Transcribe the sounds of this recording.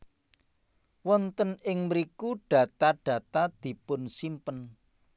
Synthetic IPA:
wɔnt̪ənɪŋməɾikuɖ̥ä̤t̪aɖ̥ä̤t̪ad̪̥i̤pʊnsimpən

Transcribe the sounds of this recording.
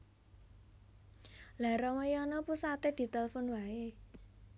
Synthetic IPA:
laɾɔməjɔnɔpusat̪ed̪̥i̤t̪ɛlfʊnwae

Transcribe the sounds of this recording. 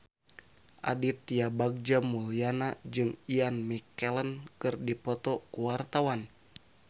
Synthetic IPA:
ʔa̰dit̪iabaɡ̚d͡ʒamulianad͡ʒɨŋianmikɛlənkɨrdipɔt̪ɔkuwart̪awan

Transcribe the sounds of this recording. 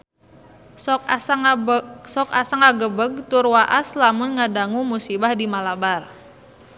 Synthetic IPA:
sɔkasaŋaɡəbəɡ̚t̪urwaʔaslamʊnŋadaŋumusibahdimalabar

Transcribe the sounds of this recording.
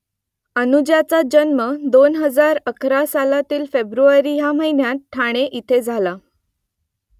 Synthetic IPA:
ənud͡ʑjat͡sad͡ʑənməd̪onɦəd͡zaɾəkʰɾasalat̪iːlfebɾuaɾiːjam̤əɦinjatʈʰːaɽ̃eʔit̪ʰed͡zʱala

